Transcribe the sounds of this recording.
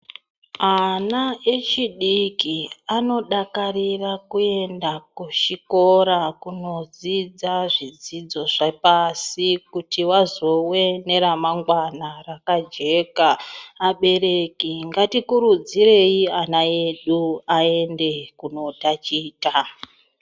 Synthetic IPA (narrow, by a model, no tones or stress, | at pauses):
anae̞t͡ʃiɗikiano̞ɗakarirakue̞ndakuʃiko̞ɾakuno̞d͡zid͡zaʐid͡zid͡zo̞ʐapasikutiwazo̞we̞ne̞ɾamaŋɡwanarakad͡ʒe̞kaːɓe̞re̞kiŋɡatikuɾud͡zire̞ianae̞ɗuae̞nde̞kuno̞tat͡ʃiːta